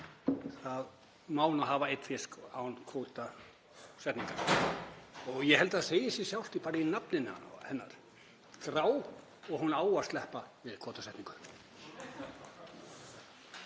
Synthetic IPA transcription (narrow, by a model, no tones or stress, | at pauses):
θað | maːwnaɦaːvaejt̪fɪskawnkʰowt̪a | sɛht̪niŋkaɾ | ɔɣjɛɦɛlt̪aðseːjɪsjɛsjawst̪ipaːɾɪinapnɪnːha̰na̰hɛnːa̰ɾ̥ | kɾaːw | ɔɣɦunaːwḁst̪lɛhpavɪðkʰoːwt̪asɛht̪niŋkʏ̥